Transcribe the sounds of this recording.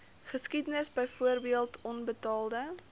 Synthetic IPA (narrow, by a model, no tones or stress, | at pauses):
χəskidənəsbəjfuərbiəlˠtʰɔnbətɑːlˠdə